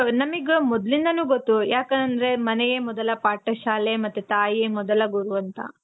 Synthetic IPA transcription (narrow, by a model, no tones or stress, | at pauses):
nɐmiɡemɔd̪lind̪ɐnuːɡot̪ːujaːkɐnd̪ɐɾe̞mɐnɛjemɔd̪ɐlɐpaːʈɐʃaːlemɐt̪ːut̪aːjijemɔd̪ɐlɐɡuɾuʋɐnt̪ʰɐ̰